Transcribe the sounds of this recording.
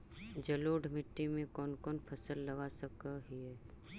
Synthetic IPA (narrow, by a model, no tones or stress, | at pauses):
d͡ʒɐloːɖmɪʈːimẽkɔːnkɔːnpʰɐsəlːɐɡasəkəɦiɦɛː